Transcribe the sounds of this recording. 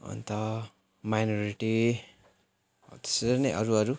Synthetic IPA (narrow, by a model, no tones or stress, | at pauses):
ṵnt̪ʌ | majnoɾiʈi | t̪e̥senʌjʔʌ̰ɾuʌɾu